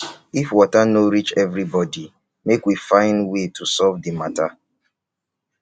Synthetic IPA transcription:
ifwɔtanoɹit͡ʃɛvɹibɔdi | mekwifãɪ̃ndwetʰusɔvdimata

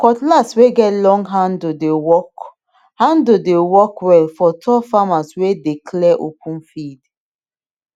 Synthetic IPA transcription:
kɔtlasweɡɛtlɔ̃ŋɡɦãndodewɔk | hãndodewɔkwɛlfɔtʰɔfamaswedekʰlɛʔo̰pʰũnfid

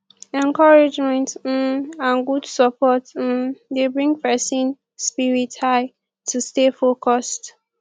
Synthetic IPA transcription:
ɛ̃nkɔɹɪd͡ʒmɛ̃nt̩ãnɡudsɔpɔt̩debɹĩŋɡpɛsĩn | spiɹithaɪ | tʰustefokɔst

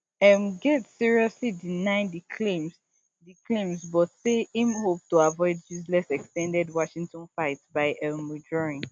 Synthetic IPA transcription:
ɛ̃mɡɛtsiɹiɔslidinaɪ̃dikʰlẽms | dikʰlẽmsbɔtseĩmhop̚tuavɔɪd̚bizlɛsɛkstɛ̃ndɛdwɔʃĩŋtɔ̃nfaɪtbaɪʔɛlmud͡ʒɹɔĩn

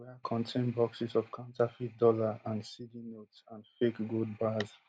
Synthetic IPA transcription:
wɛkʰɔ̃ntʰẽnbɔksisɔv̥kʰãntafitdɔlaãndsidinotsãnfekɡod̚baz

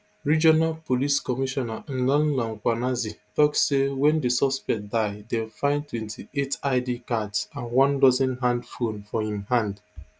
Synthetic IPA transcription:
ɹid͡ʒɔnalpoliskɔmiʃɔnan̩lãnlãŋ̩kʷanazitɔksewɛ̃ndesɔspɛk̚daɪdɛ̃fãɪ̃ntwɛ̃ntʰietaɪdikatsãnwɔ̃ndɔzɛ̃nɦãndfonfɔhĩmhãnd

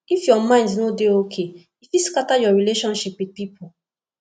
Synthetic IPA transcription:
ifjɔmãɪ̃ndnodeokʰe | ifiskatajɔɹileʃɔ̃nʃipwid̚pipʰo

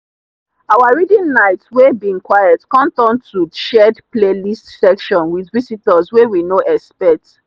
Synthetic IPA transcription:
awaɹidĩnnaɪtswebĩŋkwajatkɔ̃mtɔ̃ntʰuʃɛdplelistsɛkʃɔ̃nwiðvisitəzwewinoʔɛspɛt

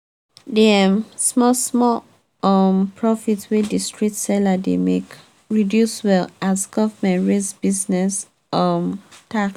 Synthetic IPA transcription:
deamsmɔsmɔ | ɔmpʰɹɔfitwedistɹitsɛladḛmḛk | ɹidjuswɛlazɡɔvmɛ̃ntɹesbiznɛs | ɔmtaks

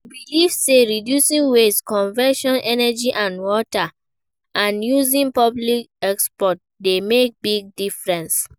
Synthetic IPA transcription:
bilivseɹidjusĩnweskɔ̃nvɛʃɔ̃nʔɛnɛd͡ʒiʔãnwɔta | ʔãnjuzĩnpɔblikɛkspɔt̚ | demek̚biɡ̚difɹɛ̃ns

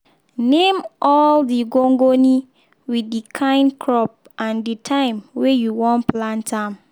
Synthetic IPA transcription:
nẽmɔldiɡoŋɡonĩ | widdikʰãɪ̃nkʰɹɔp̚ | ãnditʰãɪ̃mwejuwɔ̃nplãntʰãm

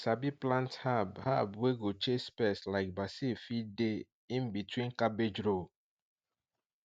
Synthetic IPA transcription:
sabiplãnthabhabweɡot͡ʃespeslaɪk̚basifide | ĩnbitwĩnkabed͡ʒɾo

